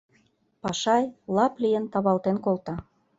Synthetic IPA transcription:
pɑʃɑjlɑplijə̆nt̪ɑβɑlt̪enkolt̪ɑ

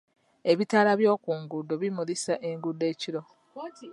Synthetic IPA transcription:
e̞βitaːlaβjo̞ːkuːŋɡudo̞βimulisaʔe̞ŋɡudːe̞ːciɾo̞

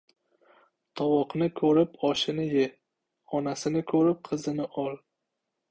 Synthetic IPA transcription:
t̪ʰɒwɒqnɪkʰɵɾɪpɒʃɪnɪjɪ | ɒnasɪnɪkʰɵɾɪp̚qʰɨzɪnɪʔɒl

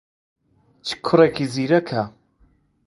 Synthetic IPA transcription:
t͡ʃʰi̥kʰʊrekʰiziːɾɐkʰa

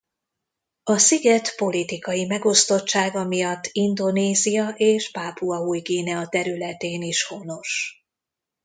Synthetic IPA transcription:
ɒsiɡɛt̪po̞lit̪ikɒjimɛɡo̞st̪o̞t͡ʃt͡ʃːaːɡɒmijɒt̪ːind̪o̞neːzijɒʔeːʃpaːpuɒuːjɡeːnɛɒt̪ɛɾylɛt̪eːniʃho̞no̞ʃ

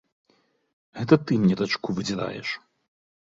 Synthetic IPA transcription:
ɣɛt̪ɐt̪ɨmnʲɛd̪at͡ʂkuvɨd͡zʲɛɾa̰jɛ̰ʂ

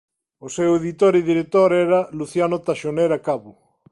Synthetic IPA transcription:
oseweðit̪oɾiðiɾek̚t̪oɾɛɾɐluθjanot̪aʃoneɾakaβʊ

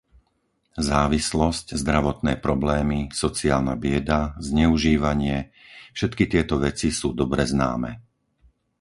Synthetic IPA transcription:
zaːʋislɔsczd̪ɾaʋɔt̪nɛːpɾɔblɛːmisɔt͡siaːlnabɪɛd̪azɲɛuʒiːʋaɲɪɛfʃɛt̪kit̪ɪɛt̪ɔʋɛt͡sisuːd̪ɔbɾɛzna̰ːmɛ

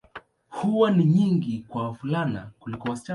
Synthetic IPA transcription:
huwaniɲiŋɡikwawafulana̰kulikɔwasi̥t͡ʃa

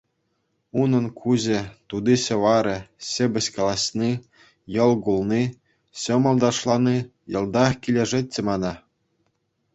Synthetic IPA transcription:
unɤ̆nkʰuʑɘ̆t̪ud̪iɕɤ̆ʋɑɾʲɤ̆ɕɘ̆bʲɘ̆ɕkɑlˠɑɕni | jɤ̆lˠɡulˠni | ɕɤ̆mɤ̆lˠd̪ɑʂlˠɑni | jɤ̆lˠd̪ɑkʲilʲĕʐĕt̪ʲːɘ̆mɑnɑ

